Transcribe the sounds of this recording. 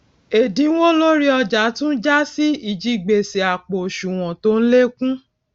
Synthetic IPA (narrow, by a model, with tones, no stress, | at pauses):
e˨dĩ˨˦n̩˦wo˦lo˦ɾi˦ɔ˧d͡ʒa˨˦tũ˦d͡ʒa˦si˦i˨d͡ʒi˦ɡ͡be˨se˨a˨k͡po˨ʃu˨w̃ɔ̃˨to˨˦n̩˦le˦kũ˦